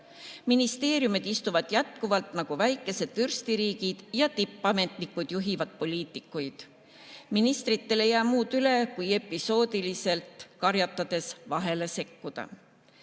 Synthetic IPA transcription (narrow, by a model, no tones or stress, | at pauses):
minist̪e̞ːɾjumid̪̥ist̪uvɑd̪̥jæt̪kuvɑlt̪ˑnɑɡ̥uvæjkːˑe̞se̞d̪̥vyrst̪iɾiːɡ̥id̪̥jɑt̪ipˑːɑme̞t̪ˑnikːˑud̪̥juɦivɑd̪̥̚po̞lʲiːt̪ːˑikːˑujd̪̥ | minist̪ɾit̪ːe̞le̞jæːmuːd̪̥yle̞kuje̞pːˑiso̞ːd̪ilise̞lt̪kɑɾjɑt̪ːˑɑd̪̥e̞svɑɦe̞le̞se̞kːud̪̥ɑ̰